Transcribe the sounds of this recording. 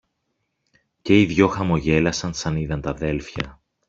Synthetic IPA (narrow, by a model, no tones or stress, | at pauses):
ce̞iðʝo̞xɐmo̞ʝe̞lɐsɐnsɐniðɐnt̪ɐðe̞lfçɐ̰